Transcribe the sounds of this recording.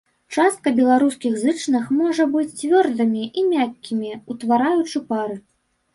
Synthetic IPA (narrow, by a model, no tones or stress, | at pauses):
t͡ʂast̪̚kɐbʲɛlˠaɾuskʲiɣzɨt͡ʂnɨxmɔʐɐbɨt͡sʲt͡sʲvʲɔrd̪ɨmʲiʔimʲakʲːimʲiut̪vaɾajut͡ʂɨpaɾɨ